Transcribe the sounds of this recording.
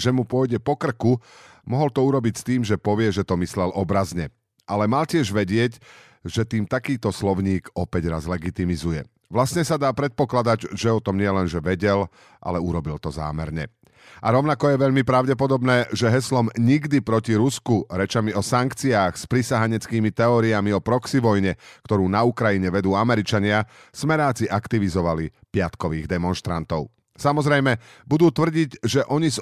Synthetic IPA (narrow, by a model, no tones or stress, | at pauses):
ʒɛmupʊɔjɟɛpɔkr̩kumɔɦɔlt̪ɔuɾɔbicst̪iːmʒɛpɔʋɪɛʒɛt̪ɔmislɛlʔɔbɾazɲɛ | ʔalɛmalcɪɛʒʋɛɟɪɛc | ʒɛt̪iːmt̪akiːt̪ɔslɔʊɲiːkɔpɛɟɾazlɛɡit̪imizujɛ | ʋlasɲɛsad̪aːpɾɛt̪̚pɔklad̪aɟʒɛɔt̪ɔmɲɪɛlɛnʒɛʋɛɟɛl | ʔa̰lɛuɾɔbilt̪ɔza̰ːmɛɾɲɛ̰ | ʔaɾɔʊnakɔjɛʋɛʎmipɾaʊɟɛpɔd̪ɔbnɛːʒɛɦɛslɔmɲiɡd̪ipɾɔciɾuskuɾɛt͡ʃamiɔsaŋkt͡siaːxspɾisaɦaɲɛt͡skiːmit̪ɛɔːɾiamiɔpɾɔksiʋɔjɲɛkt̪ɔɾuːnaukɾajiɲɛʋɛd̪uːamɛɾit͡ʃaɲɪa | smɛɾaːt͡siʔakt̪iʋizɔʋali | pɪat̪kɔʋiːɣd̪ɛmɔnʃt̪ɾa̰nt̪ɔʊ | samɔzɾɛjmɛbud̪uːt̪ʋr̩ɟiɟʒɛʔɔɲiz